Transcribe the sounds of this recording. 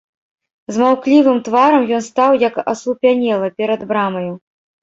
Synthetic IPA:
zmawklʲivɨmt̪vaɾɐmjɔnst̪awjɐkɐ̰sˠupʲanʲɛlˠɐpʲɛɾɐd̪bɾamɐju

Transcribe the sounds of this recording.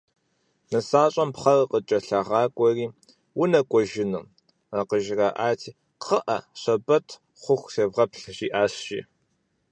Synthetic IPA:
nɨsaːɕʼɐmpχɐrqət͡ʃʼɐɬɐʁɑːkʷʼɔriː | wʊnɐkʷʼɔʒɪnṵː | aːqəʒɪraːʔaːtʰiː | qʰəʔɐɕɐbɐtʰ | χʷʊxʷseːvʁɐpɬʒiːʔaːɕʃḭː

